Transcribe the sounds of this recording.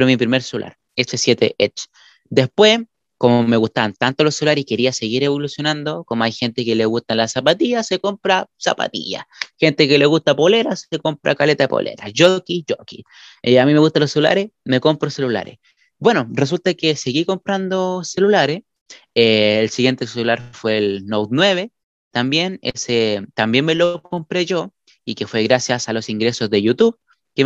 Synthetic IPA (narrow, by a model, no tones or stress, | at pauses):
pɾomipɾimeɾselulʔa̰ɾ | esesje̞t̪ḛʔet͡ʃ | d̪e̞hpwe̞ | komoome̞ɣust̪aβant̪ant̪olosːelulaɾeike̞ɾiase̞ɣiɾe̞βolusjo̞nand̪okomoajxe̞nt̪ekeleɣust̪alasapat̪iʝaseko̞mpɾasa̰pa̰t̪ḭʝa̰xe̞nt̪ekeleɣust̪apole̞ɾaseko̞mpɾa̰kalet̪aepo̰lʔḛɾaʝokiʝoki | eamime̞ɣust̪alo̞sːelula̰ɾeme̞ko̞mpɾose̞lula̰ɾḛs | bwe̞no̞re̞s̬ult̪akeseɣiko̞mpɾand̪ose̞lulaɾes | eːlsiɣje̞nt̪eselulaɾfwe̞ːlnowt̪nwe̞βe̞ | t̪ambje̞nḛset̪ambje̞nme̞lo̞ko̞mpɾeʝo̞ | ike̞fwe̞ɣɾasjasalo̞siŋɡɾe̞so̞zðeʝut̪uβ | ke